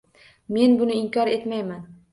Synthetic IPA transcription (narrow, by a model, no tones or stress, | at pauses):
me̞nbʊnɪɪŋkʰʲɒɾe̞t̪majman